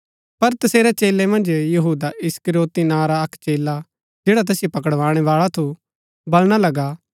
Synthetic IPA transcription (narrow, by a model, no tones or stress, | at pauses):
pɐɾt̪ɐseːɾɛt͡ʃeːlemɐ̃nd͡ʒjɐɦuːd̪aʔɪskəɾoːt̪inaːɾaɐkt͡ʃeːla | d͡ʒeːɽat̪̬ɛːsjopɐkəɽʋãːɽ̃ɛʋaːɭat̪ʰu | bɐlɽ̃alɐɡaː